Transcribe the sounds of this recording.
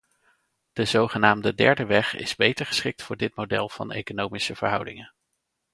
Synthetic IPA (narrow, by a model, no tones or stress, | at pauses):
d̥əzowχənaːmdədɛ̰ɹdəʋɛχɪ̰zbejtəɹχə̥sχɪk̚tfʊːɹdɪt̚mowdɛ̰lˠv̥ɑ̰nḛjkonowmisəv̥ə̰ɹɦʌwdɪŋə